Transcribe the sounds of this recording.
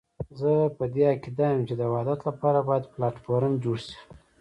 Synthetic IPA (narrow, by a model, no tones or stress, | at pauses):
zəpəd̪eakid̪ɑjəmt͡ʃed̪əwad̪at̪lapɑɾabɑjad̪plɑʈfoɾəmd͡ʒoɽʃi̥